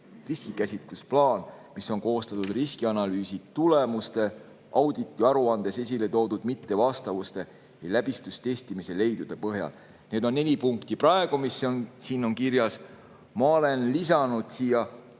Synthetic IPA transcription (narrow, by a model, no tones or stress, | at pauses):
riskikæsʲit̪lusplɑːnmiso̞ŋko̞ːst̪ɑt̪ud̪riskiɑnɑlyːsit̪ulemust̪e̞ | ʔɑwd̪̥it̪ˑːiɑɾuɑnd̪e̞se̞s̬ʲile̞t̪o̞ːd̪ud̪̥mit̪ːe̞vɑst̪ɑvust̪e̞ | jlæb̥ist̪ust̪e̞st̪imise̞le̞jd̪̥ud̪̥e̞pɤɦjɑ̰l | ne̞ːd̪̥o̞nːe̞lʲipuŋkt̪iprɑe̞ɡ̥umisːonsiːno̞ŋkiɾjɑs | mɑole̞nlisɑnud̪̥siːjɑ